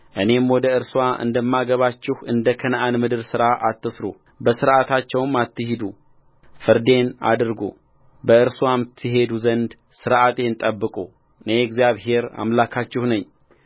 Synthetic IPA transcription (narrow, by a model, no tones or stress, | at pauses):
ʔɨne̞mwɔd̪əɨɾswaʔɨ̰nd̪əmːaɡəβat͡ʃːɪhɨnd̪əkʰənʔanmɨd̪ɨɾsɨɾaʔat̪ːɨsɾo | bəsɨɾʔat̪ʰat͡ʃːɛwmat̪ːɨhid̪u | fɨɾd̪e̞na̰d̪ɨɾɡo̰ | bəɨɾswamɨt̪ʰːɨɦe̞d̪uzənd̪ | sɨɾʔat̪ʰʼent̪ʼəbːɨkʼu | ɨneɛɡzijaβɦe̞ɾa̰mlakʰat͡ʃːɪhnəɲː